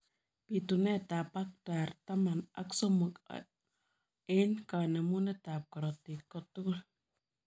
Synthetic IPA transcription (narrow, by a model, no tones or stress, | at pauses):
pit̪unet̪apak̚t̪aɾt̪amana̰ksomuka̰ | enkanamunet̪ap̚kaɾot̪ikːot̪ukul